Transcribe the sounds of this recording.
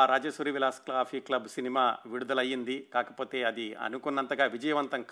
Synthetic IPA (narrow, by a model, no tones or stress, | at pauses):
ɾaːd͡ʒɐsuɾiʋilaːsklaːfʰiklɐbsinimaːʋiɽud̪ɐlɐjind̪ikaːkɐpo̞ːt̪e̞ːɐd̪iɐ̰nukunːɐnt̪ɐɡaːʋid͡ʒɐjɐʋɐnt̪ɐŋk